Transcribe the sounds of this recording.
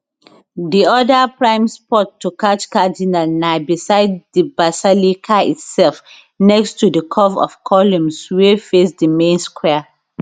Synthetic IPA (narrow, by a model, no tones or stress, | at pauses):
diɔdapɹãɪ̃mspɔtːukat͡ʃkadinalnaɪbisaɪddibasalikʰaḭtsɛlf | nɛkstʰudəkʰɔvɔ̰v̥kʰɔlũmswefesdəmẽnskʰwɛ